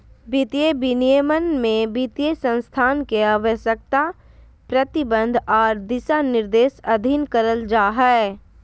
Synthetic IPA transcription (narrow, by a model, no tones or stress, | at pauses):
bit̪ijebinijəmənmẽbit̪ijesə̃nst̪ʰaːnkeaːʋəʃjək̚t̪a | pɾət̪ɪbə̃nd̪ʱɔːɾd̪ɪsanɪɾd̪eːsɐd̪ʱinkəɾəld͡ʒaːɦɛ